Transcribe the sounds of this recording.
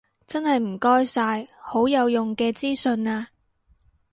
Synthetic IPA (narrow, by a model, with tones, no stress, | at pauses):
t͡sɐ˥nhɐ˨jm̩˨˩kɔː˥jsaː˧jho˨˥wjɐ˨˧wjʊ˨ŋkɛː˧t͡siː˥sɵ˧naː˧